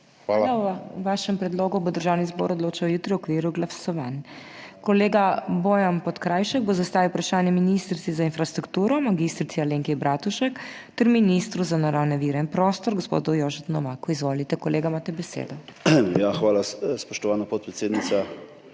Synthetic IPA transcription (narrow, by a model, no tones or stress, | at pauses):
xaaaʋaʃɛmpɾɛd̪loːɡubɔd̪əɾʒaːwnizbɔ̰ɾɔd̪loːt͡ʃawjut̪ɾiwɔkʋiːɾuɡlasɔʋankɔleːɡaboːjampɔt̪kɾajʃɛɡ̚bozast̪aːʋiwpɾaʃaːnjɛminist̪ɾit̪sizainfɾast̪ɾukt̪uːɾɔmaɡist̪ɾit̪sialeːŋkɛbɾat̪uʃɛk | t̪ɛɾminist̪ɾuzanaɾawnɛʋiːɾɛinpɾost̪ɔɾɡɔspo̰d̪ɔjoːʒɛt̪nɔmaːkuizʋolit̪ɛkɔleːɡamaːt̪ɛbɛsḛd̪ɔjaxʋaːlaspɔʃt̪ɔʋaːnapoɔt̪̚pɾɛt̪seːd̪nit̪sa